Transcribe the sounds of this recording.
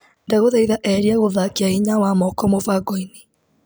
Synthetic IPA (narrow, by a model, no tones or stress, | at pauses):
ndaɣoðaiðaʔɛɾiaɣoðakiaiɲawamɔkɔmovaɡɔini